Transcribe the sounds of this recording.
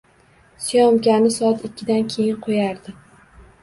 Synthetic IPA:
sijɒmkʲanɪsɒat̪ɪkʲʰːɪd̪ankʲʰe̞jɪnqʰojaɾd̪ɪ

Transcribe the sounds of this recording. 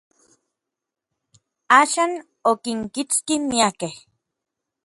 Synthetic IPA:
aːʃaːn | okiŋkit͡skimiakeh

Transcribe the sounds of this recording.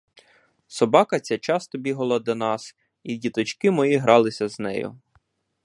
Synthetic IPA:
sɔbɑkɐt͡sʲat͡ʃɑst̪ɔbʲiɦɐlˠɐd̪ɔnɑs | idʲit̪ɔt͡ʃkɪmɔjiɦɾɑlˠɪsʲɐznɛ̰jʊ̰

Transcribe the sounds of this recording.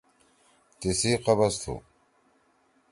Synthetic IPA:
t̪isiːqɐbɐst̪ʰṵ

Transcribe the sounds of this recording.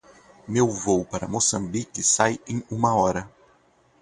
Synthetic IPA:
mewvowpaɾɐmosɐ̃mbikɪsajẽj̃ũmɐɔɾɐ

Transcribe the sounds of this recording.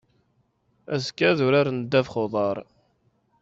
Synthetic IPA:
æskːæðʊɾaɾnəd̪ːæfχoðˤɑɾˤ

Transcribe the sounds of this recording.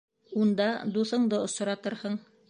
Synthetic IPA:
und̪ɑd̪uθɤ̆ɴd̪ɤŏsɤ̆ɾɑt̪ɤɾhɤɴ

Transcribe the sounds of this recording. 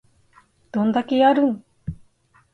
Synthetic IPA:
d̪̥õ̞nd̪akʲejaɾɯ̟̃ŋ

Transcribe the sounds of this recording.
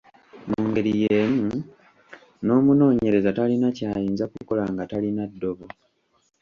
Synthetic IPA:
muːŋɡe̞ɾije̞ːmu | no̞ːmuno̞ːɲe̞ɾe̞zatalinacaːjiːnzakuko̞laŋɡatalinadːo̞βo

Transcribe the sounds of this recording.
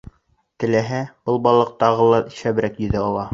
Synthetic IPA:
t̪ɘ̆læɦæbɤlˠbɑlˠɤq̚t̪ɑʁɤlˠɑʃæβɘ̆ɾækjɵ̆ðæɑlˠɑ

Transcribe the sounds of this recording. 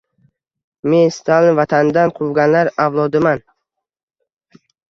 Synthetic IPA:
me̞nst̪ʰalˠɪnvat̪ʰand̪anqʰʊvɡʲanlaɾavlˠɒd̪ɪman

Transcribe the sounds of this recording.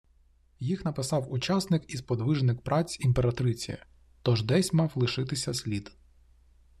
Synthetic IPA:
jixnɐpɪsɑwʊt͡ʃɑsnɪkizpɔd̪ʋɪʒnɪkpɾʔɑt͡sʲimpeɾɐt̪ɾɪt͡sʲijɐ̰ | t̪ɔʒd̪ɛsʲmɑwlˠɪʃɪt̪ɪsʲɐsʲlʲid̪

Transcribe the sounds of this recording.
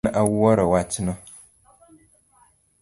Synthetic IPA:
ʔawwɔɾɔwatinɔ

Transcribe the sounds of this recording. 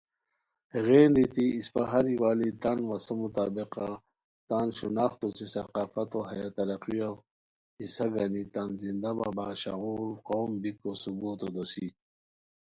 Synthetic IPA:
eɣeːnd̪it̪iːspaɦaɾiwaːlit̪anwasomut̪aːbeqa | t̪anʃunaːxt̪ot͡sisɐqaːfɐt̪oɦɐjat̪ɐɾɐqiaw | isaɡanit̪anzind̪aba̰baːɕa̰ɣuɾqoːmbikosubuːt̪od̪osi

